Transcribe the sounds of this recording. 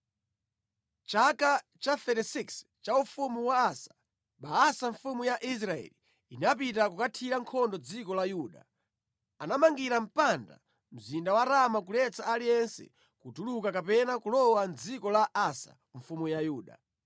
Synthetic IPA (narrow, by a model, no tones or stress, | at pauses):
t͡ʃaka | t͡ʃaθɛtɛsiks | t͡ʃaufumuwaːsḁ | ɓaasaɱfumujaʔis̬ɾaɛ̰li | inap̬itakukatʰiɾaŋkʰɔndɔd͡zikɔlajuːɗa̰ | anamaŋɡiɾam̩panda̰ | m̩zindawaɾamakulɛt͡saalijɛnsɛ̰ | kutulukakapɛnakulɔwand͡zikɔlaʔasa̰ | ɱ̩fumujajuːɗa̰